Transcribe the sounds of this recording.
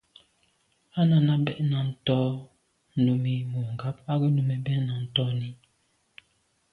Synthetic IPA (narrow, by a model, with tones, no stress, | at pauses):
a˦na˨na˦bɛ˦ʔna˨n̩˨tɔ˦ | nu˨mi˨mu˨ŋ˨ɡa˦p̚a˦ɡi˦nu˨mɛ˨bɛ˦na˨n̩˨tɔ˦ni˦